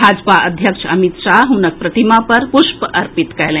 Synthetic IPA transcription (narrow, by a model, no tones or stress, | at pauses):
bʱaːd͡ʒpaʔəd̪ʱjəkʃəmit̪ʃaːɦɦunək̚pɾɐt̪imapɐɾpuʃpəɐɾpit̪kɛjlẽ